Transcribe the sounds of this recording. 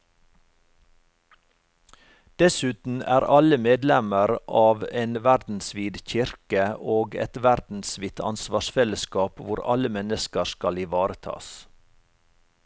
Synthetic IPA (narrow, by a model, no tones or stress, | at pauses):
d̪̥ɛsʉːt̪n̩æ̰ːɾʔɑləmeːd̪lɛməɾʔɑːʋeːnʋæɾd̪n̩sʋiːd̪çɪɾkəoːɡɛ̰t̪ʋæɾd̪̥n̩sʋiːt̪ʰɑ̰nsʋɑːʃfɛləskɑːpʋʊɾɑ̰ləmɛnəskəɾskɑlɪʋɑːɾət̪ʰɑ̰ːs